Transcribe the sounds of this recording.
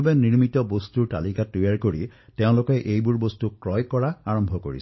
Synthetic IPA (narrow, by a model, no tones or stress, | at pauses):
abeniɹmitɔbostuɹta̰likatujaɹkoɹi | teʊ̃lʊkɔʔejbuɹbostukɹɔjkɔɹaaɹɔmbʱɔko̰ɹḭs